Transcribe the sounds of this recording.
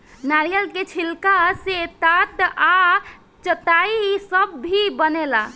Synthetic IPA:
naɾijəlket͡ʃʰilkaset̪at̪a | t͡ʃət̪aisəbːibənela

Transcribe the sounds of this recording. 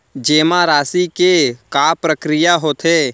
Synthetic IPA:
d͡ʒeːmaɾaːsikekaːpɾəkɾɪjaɦoːt̪ʰeː

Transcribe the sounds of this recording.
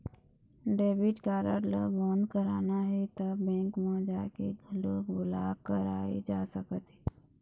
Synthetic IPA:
ɖeːbɪʈkaːɾə̰ʈlə̰bɔ̃ːnd̪kəɾaːnaɦɛt̪əbɛ̃ːŋkmãːd͡ʒaːkḛloːɡbʊlaːkəɾa̰ːḛd͡ʒaːsəkət̪ɦɛ

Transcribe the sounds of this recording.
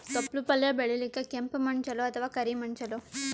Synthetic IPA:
t̪ɔplupɐljabeɭilikakempmɐɳt͡ʃɐloɐt̪ʰəʋakɐɾimɐɳt͡ʃɐlo

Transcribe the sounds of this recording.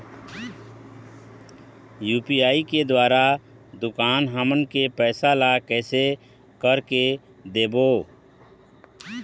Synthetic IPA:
juːpiaːiked̪waːɾa | d̪ʊkaːnɦaːmənkepɛːsalakɛːse | kəɾke | d̪eːboː

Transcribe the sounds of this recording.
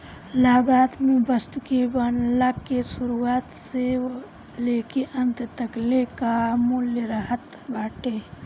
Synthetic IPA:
laːɡaːt̪mẽbəst̪kebənlakːesʊɾuaːt̪se | leːkeʔənt̪t̪əkleːkamuljəɾəɦət̪baːʈe

